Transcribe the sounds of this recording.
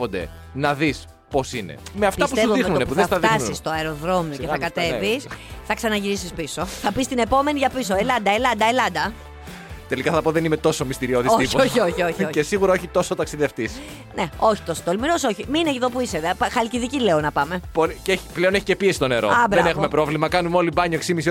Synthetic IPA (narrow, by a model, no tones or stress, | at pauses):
pond̪ḛ | nɐðis | po̞sine̞̰meɐftp̪ɐspuevixnunepuðeɐθɐðt̪iɐnuist̪oɐeɾoðɾo̞mijoceθɐkɐt̪e̞visθɐksɐnɐʝiɾisispiso̞θɐpist̪ine̞po̞me̞niʝɐpis̬oelɐnd̪ɐelɐd̪ɐelɐnd̪ɐ | t̪e̞likɐθɐpoðenime̞t̪o̞so̞mist̪iɾioðioioioçioçocesiɣuɾɐoçit̪o̞sot̪ɐksiðeft̪is | neo̞çi̥t̪o̞sot̪olmiɾo̞so̞çimiineiðo̞puiseðpxɐlciðicileonɐpɐmepoɾiceçi̥pleo̞neçicepiesist̪one̞ɾo̰ɐbɐenexumepɾo̞vlimɐkɐnumeo̞libɐɲoksimis̬i